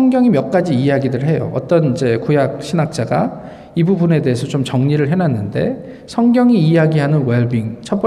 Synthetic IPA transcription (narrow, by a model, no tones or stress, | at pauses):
ʌŋɡjʌŋimjʌk̚k͈ad͡ʑiːjaɡidɯɭɦe̞jo̰ʌ̰t͈ʌnid͡ʑe̞kojak̚ɕʰinak̚t͡ɕ͈aɡa̰ | ibubune̞de̞ɦesʰʌt͡ɕomt͡ɕʌŋɲiɾɯɭɦenanːɯnde̞̰ | sʰʌŋɡjʌŋiːjaɡiɦanɯnweɭbiŋt͡ɕʰʌp͈ʌ